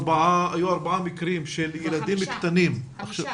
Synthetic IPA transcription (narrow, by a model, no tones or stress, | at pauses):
baʕaʔajuːɑɾˤbaʕamɪkɾiːmʃeljɪlad̪iːmjɪkt̪aniːm | ʔaxʃa